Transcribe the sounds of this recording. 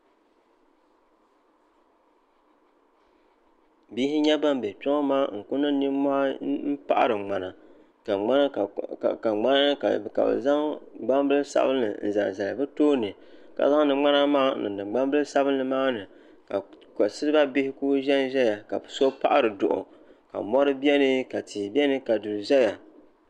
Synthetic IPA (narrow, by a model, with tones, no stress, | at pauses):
bi˦hɪ˦ɲɛ˦ba˦m˦bɛ˨tɔ˦ŋɔ˦maː˦ŋ̩˨kʊ˦nɨ˦ni˦m˦mɔ˦ha˦m̩˦pa̰˦ʔa̰˦ɾɨ˨ŋ͡ma˨na˨ | ka˨ŋ͡ma˦n˦˨ka˨ŋ͡ma˦na˦nɨ˦ka˨ka̰˨bɨ̰˨za˦ŋɡ͡ba˦mbɨ˦lɨ˦sa̰˦bɨ˦nːɨ̰˨n̩˨za̰˨lza˨lɨ˨bɨ˦toː˦nɨ˨ | ka̰˨za˦ŋ˦nɨ˨ŋ͡ma˦na˦maː˦nɨ̰˨dɨ˨ɡ͡ba˦mbɨ˦lɨ˦sa˦bɨ˦nːɨ˨maː˦nɨ˨ | ka˨ka˨sɨ˦ɾɨ˦ba˦bɪ˦hɪ˦kuː˦ʒɛ˦nʒɛ˦ja˨ka˨bɨ˨so˦pa̰˦ʔa˦ɾɨ˨dʊ˨ʔʊ̰˨ | ka̰˨mɔ˦ɾɨ˦bi˦ɛ˦nɨ˦ka˨tʰiː˨bi˦ɛ˦nɨ˦ka˨du˨ɾɨ˨ʒɛ˦ja˨